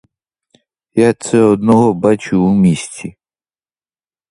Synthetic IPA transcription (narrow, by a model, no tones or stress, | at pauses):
jat̪sɛɔd̪nɔɦɔbat͡ʃʊːmʲisʲtʲi